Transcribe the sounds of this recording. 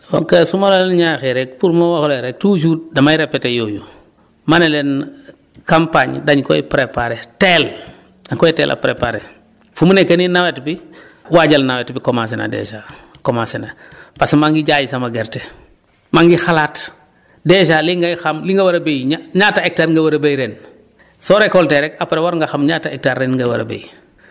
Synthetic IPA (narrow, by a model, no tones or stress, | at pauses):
o̰ŋkesumalolenɲaxeɾɛk̚puɾmowaxoleɾek̚tuʃ̬uːdɐmajɾepːetejoːju | manelen | kampaɲdaɲko̰ipɾepaɾetel | daɲkɔitḛːlʔa̰pɾepaɾe | fumunekeninawetbi | waɟalnawetbikomas̬ina̰dḛʃa | komasena | pasmaŋɡiɟajisamaɡɛɾte | maŋɡixalaːt | deʃaːliŋɡajxamliŋɡɐwɐɾɐbejɲaɲaːtaek̚taːɾŋɡɐwɐɾɐbejɾeːn | sɔɾekɔlteɾɛkapaɾewaɾŋɡaxamɲataek̚taːɾːenŋɡɐwɐɾɐ̰bḛj